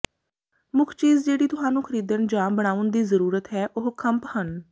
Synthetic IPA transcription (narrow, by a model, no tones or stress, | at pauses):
mʊkʰt͡ʃiːzd͡ʒeːɽiːt̪ʊɦaːnũːkʰəɾiːd̪ənd͡ʒãːbəɽ̃aːʊnd̪iːzəɾuːɾət̪ɦɛːʔʊɦkʰəmphən